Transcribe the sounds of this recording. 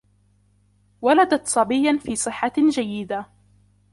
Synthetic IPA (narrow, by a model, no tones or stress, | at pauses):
walad̪at̪sˤɑbɪjːanfiːsˤɨħːad͡ʒajːɪd̪a